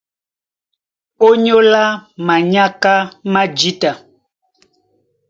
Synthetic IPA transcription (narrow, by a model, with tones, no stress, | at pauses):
o˦ɲo˦la˦ma˨ɲa˦ka˦ma˦d͡ʒi˦ta˨